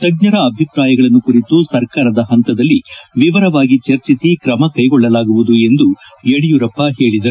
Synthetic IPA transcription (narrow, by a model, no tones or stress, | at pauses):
t̪ɐɡɲɐɾɐːbʱjipɾaːjɐɡɐɭɐnːukuɾit̪usɐɾkaːɾɐd̪ɐɦɐnt̪ɐd̪ɐlːiʋiʋɐɾɐʋaːɡit͡ʃɐɾt͡ʃisikɾɐmɐkɐjɡɔɭːɐlaːɡuʋud̪ue̞nd̪u | jeɽijuɾɐpːɐɦe̞ːɭid̪ɐ